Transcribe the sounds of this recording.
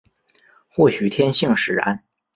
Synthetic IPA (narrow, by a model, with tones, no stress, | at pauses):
xwɔ˥˩ɕy˨˩t̪ʰjɛ˥nɕi˥˩ŋʂɻ̩˨˩a̰˧˥˦n